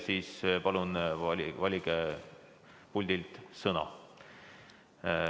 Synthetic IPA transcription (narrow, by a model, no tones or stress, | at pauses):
siːspɑlunɑlivɑlʲiɡe | pulʲd̪̥ilt̪sɤnɑ̰